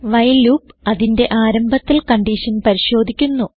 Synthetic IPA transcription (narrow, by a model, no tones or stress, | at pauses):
ʋɐjluːpɐðinde̞ʔaːɾɐmbʱɐt̪ːilkɐɳɖiʂɐnpɐɾiɕo̞ːd̪ʱikʲːunːu